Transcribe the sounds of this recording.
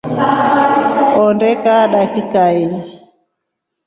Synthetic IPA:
ɔndɛkaɗakikail

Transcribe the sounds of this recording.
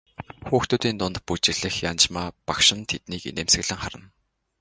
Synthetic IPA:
xuːxt̪uːt̪iːnt̪ʊnt̪̚put͡ɕɪ̆ɮɘ̆xjant͡ɕmaːpakʃɪ̆nt̪ʰet̪niːkḛneːmsɘ̆ɮɘ̆ŋχaɾə̆n

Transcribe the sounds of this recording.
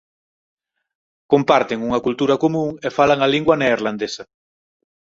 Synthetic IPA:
kompaɾt̪eŋuŋɐkult̪uɾɐkomũŋefalaŋaliŋɡwɐneːɾland̪esɐ

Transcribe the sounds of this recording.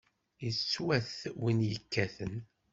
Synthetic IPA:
ət͡sːwæθwinjəkːæθən

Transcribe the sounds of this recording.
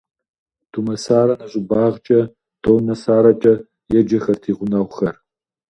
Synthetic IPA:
tʰumɐsaːɾɐnɐɕʼɪbaːʁt͡ʃʼɐ | d̥ʰoːwnɐsaːɾɐt͡ʃʼɐ | jɛd͡ʒɐxɐrtʰiːʁʷʊnɐwxɐr

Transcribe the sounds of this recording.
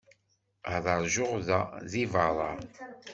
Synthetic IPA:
ðˤɑɾˤʒʊʁðaðivɑɾˤɑɾˤ

